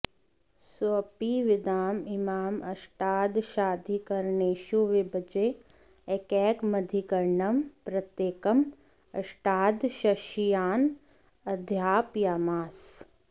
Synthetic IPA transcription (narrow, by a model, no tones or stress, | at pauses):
sɐpiʋɪd̪aːmɪmaːmɐʃʈaːd̪ʃaːd̪ʱikɐɾɳeːʃuʋebəd͡ʒeː | ekɛːkmɐd̪ʱikɐɾɳɐmpɾɐt̪jeːkɐm | ɐ̰ʃʈaːd̪ʃɐʃijaːn | ɐd̪ʱjaːpjaːmaːs